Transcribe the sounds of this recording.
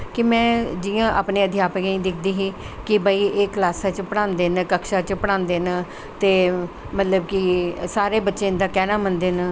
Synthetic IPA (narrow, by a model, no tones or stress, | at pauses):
kɪmɛ̃ːd͡ʒɪjãːʔa̰ːpneːəd̪jaːpəkːĩːd̪ɪkʰd̪iːɦiː | kɪbaːiːeːklaːsaːt͡ʃpəɽ̃ãːnd̪eːnkəkʃaːt͡ʃpəɽ̃ãːnd̪eːnː | t̪eː | mət̪ləb̚kɪsaːɾeːbətːʃeːnd̪aːkɛːnaːmənd̪eːn